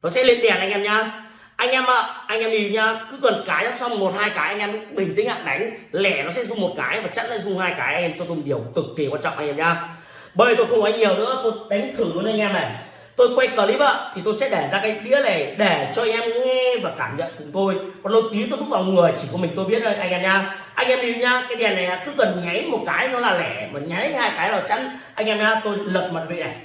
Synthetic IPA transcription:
nɔ˨˦sɛ̰˧˥lḭ˧˨ənɗɛ˨˩nʔa˧ŋ̟ʔɛ˧mɲaː˧ | ʔa˧jŋ̟ʔɛ˧mʔəː˧˨ʔa˧ŋʔɛ˧mɗi˧ɲaː˧kɨ˨˦kə˨˩nkaː˨˦ja˨˧˦sɔ˧wŋ͡mmo˨˩t̚haː˧jkaː˨˦jʔa˧jŋʔɛ˧mkːɓï˨˩ŋ̟t̪i˨˦ŋha̰ː˧˨˩ŋ̚ɗa˨˦jŋ̟lɛ˧˩nɔ˨˦sɛ̰˧˥zʊ˧ŋ͡mmo˨˩t̚kaː˨˦jvaː˨˩t͡ɕa̰˦˧˥t̚za̰ː˧˥zʊ˧ŋ͡mhaː˧jkaː˨˦jʔa˧ŋ̟ɛː˧mt͡ɕɔ˧t̪ʊ˧ŋ͡mɗi˧˩əwt̪ɨ˨˩k̚t̪ʰi˨˩kwaː˧nt͡ɕɔ̰˧˨ʔa˧ŋ̟ɛː˧mɲaː˧ | ɓəː˧˦˨t̪o˧jxə˧wŋ͡məː˨˦jɲi˨˩əwnɨ̰˧˥ət̪o˧jɗa˨˦jŋ̟t̪ʰɨ˨˧˩kːn˧a˧ŋ̟ʔɛ˧mnə˨˩j | t̪o˧jkwa˧jkəː˨˩li˨˦və̰ː˧˨t̪ʰi˨˩t̪o˧jsɛ̰˧˥ɗe˧˩zaː˧kaː˨˦jɗḭ˧˥əle˨˩ɗe˧˩t͡ɕɔ˧a˧jŋ̟ʔɛ˧mŋɛ˧vaː˨˩kaː˧˩mɲə̰˧˨nkʊ˨˩˦ŋ͡mt̪o˧jkɔ˨˩nt̪o˧jt̪i˨˦t̪o˧fʊ˦˥vaː˨˩ŋɨ˨˩əjt͡ɕi˧˩kmï˨˩ŋ̟t̪o˧jɓət̚ʔəː˧jʔa˧jŋ̟ʔɛː˧mɲaː˧ | ʔa˧jŋʔɛ˧mi˧˨˩ɲaː˧kaː˨˦jɗɛ˨˩na˨˩jʔaː˨˦kɨ˨˦kə˨˩nɲa˨˦jmo˨˩t̚kaː˨˦jnɔ˨˦laː˨˩lɛ˧˩maː˨˩ɲa˨˦jhaː˧jkaː˨˦jlaː˨˩t͡ɕa̰˧˥n | ʔa˧jŋ̟ʔɛː˧mɲaː˧t̪o˧jlə˨˩p̚ma̰˧˨nvḭ˧˨na˨˩j

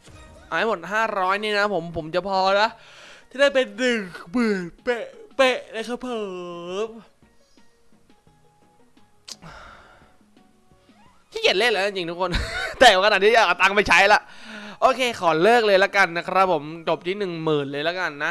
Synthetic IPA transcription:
ʔaː˨˧˩mo˨˩t̪̚ɦaː˥˩ɾɔː˦˥jniː˥˩na˦˥pʰo˩˦mpʰo˩˦mt͡ɕa˨˩pʰɔː˧na˦˥ʔt͡ɕaː˧˩daː˥˩jpe˧ndɯ˨˩kbɯ˨˩pe˧˩pe˧˩ʔla˧˩jkʰaː˧˥pʰɤː˨˩p̚ | t̪ʰiː˥˩ke˨˩t̪̚leː˥˩˨laː˨˦˥nt͡ɕi˧ŋt̪ʰu˦˥kʰo˧nt̪ɛː˨˩ka˧aː˨˩t̪̚niː˦˥˩a˨˩kt̪a˧ŋpa˧jt͡ɕʰa˦˥jla˨˩ʔʔoː˧kʰeː˧kʰɔː˩˦lɤː˥˩k̚lɤː˧jla˦˥ka˧nːa˦˥kʰɾa˦˥p̚ʰːo˩˦mt͡ɕo˨˩p̪̚ʰiː˦˥nɯ˨˩ŋmɯː˨˩nlɤː˧jla˦˥ka˧nːa˦˥

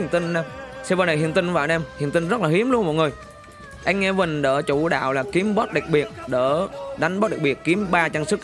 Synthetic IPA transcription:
t̪i˧ŋnaː˧msɛ˧vaː˧˨˩nə˨˩hḭ˧˨ənt̪i˧ŋva̰ː˧˨˩nʔɛ˧mhḭ˨˧˨ənt̪i˧ŋ̟zə˦˥t̚laː˨˩hi˨˦əmlu˧ənmɔ̰˧˨˩jŋɨ˨˩əj | ʔa˧jŋ̟ŋɛ˧vï˨˩ŋ̟ɗəː˧˩t͡ɕu˧˩ɗa̰ː˧˨wlaː˨˩ki˨˦əmɓɔ˦˥t̚ɗa˨˩k̚ɓi˨˩ət̚ɗəː˧˩ɗa˨˦ŋ̟ɓɔ˦˥ɗk̚ɓi˨˩ət̚ki˨˦əmɓaː˧t͡ɕa˧nsɨ˦˥k̚

